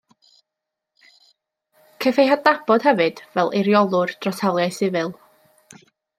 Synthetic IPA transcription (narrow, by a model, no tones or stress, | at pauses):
kʰəfejɦadabɔd̥hɛvɨd̥vɛlˠeɾjɔlˠʊrd̥rɔsʰawlˠjajsɪvɨlˠ